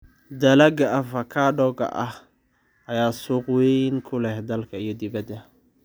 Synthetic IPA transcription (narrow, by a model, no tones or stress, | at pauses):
d̪ɐlɐɡɐɐvɐkʰaːɖɔɡɐ̰ʔɐh | ɐjaːsuːqwɛŋkʰʊlɛhd̪ɐlkʰɐijɔd̪ɪβɐd̪ɐ